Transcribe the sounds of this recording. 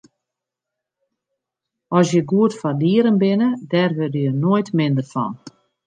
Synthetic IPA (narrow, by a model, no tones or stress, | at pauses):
ɔsjəɡuətfardiəɾənbɪnədɛrʋødəjənojtmɪndərfɔ̰n